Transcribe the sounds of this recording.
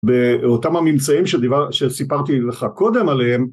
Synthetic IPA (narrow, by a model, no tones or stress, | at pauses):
beotamhamimt͡saimʃed̪iaʃesipaʁt̪ileχako̞d̪e̞malehem